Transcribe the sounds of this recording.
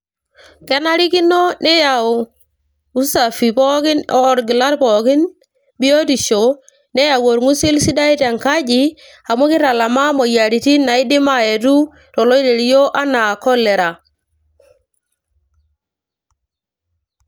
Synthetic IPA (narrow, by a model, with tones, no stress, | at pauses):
ke˦na˦ɾi˦ki˦no˦ne˦ja˨o˨ | u˦sa˨fi˨po˦ki˦nɔː˦˨ɾɡi˨la˦ɾpo˨ki˦n | bi˦o˦ti˨ʃo˨ | ne˦ja˨wo˨ɾŋu˦si˦lsi˦da˦i˦te˨ŋka˦d͡ʒi˨ | a˨mo˦ki˦ɾa˨la˨ma˦mo˨ja˨ɾi˨ti˦na˨i˦di˦ma˦e˨tu˦ | ɾɔ˨lo˦i˦de˨ɾi˦jo˦ʔa˦na˨ko˦le˨ɾa˨